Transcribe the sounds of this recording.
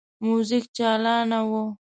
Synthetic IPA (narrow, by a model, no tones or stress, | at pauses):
muzɪk̚t͡ʃɑːlɑnawo